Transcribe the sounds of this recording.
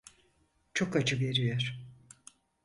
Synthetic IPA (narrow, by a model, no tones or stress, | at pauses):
t͡ʃʰo̞kat͡ʃʰɯve̞ɾijoɾ̥